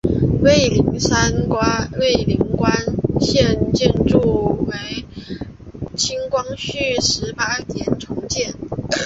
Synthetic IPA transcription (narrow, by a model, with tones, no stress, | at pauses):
we˥˩ɪli˧˥ŋsa˥nkwa˥we˥˩ɪli˧˥ŋkwa˥nɕjɛ˥˧nt͡ɕjɛ˥˧nʈ͡ʂu˥˩we˥˩ɪ | t͡ɕʰi˥ŋkwɑ˥ŋɕy˥˩ʂɻ̩˧˥pa˥t̪jɛ˧˨˩nʈ͡ʂʰʊ˧˥ŋt͡ɕjɛ˥˩n